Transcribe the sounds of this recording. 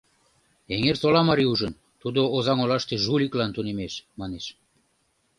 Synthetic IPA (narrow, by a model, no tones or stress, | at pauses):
eŋersolɑmɑɾiuʒən | t̪ud̪oːzɑŋolɑʃt̪eʒulʲiklɑnt̪unemeʃmɑneʃ